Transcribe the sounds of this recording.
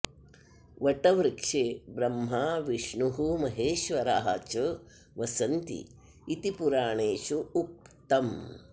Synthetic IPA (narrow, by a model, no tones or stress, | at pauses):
ʋɐʈɐʋɾkʂeːbɾɐmɦaːʋiʂɳuɦumɐɦeːʃʋɐɾaːɦɐ̰t͡ʃɐ | ʋɐsɐnt̪ḭ | it̪ipuɾaːɳeːʃuuk̚t̪ɐm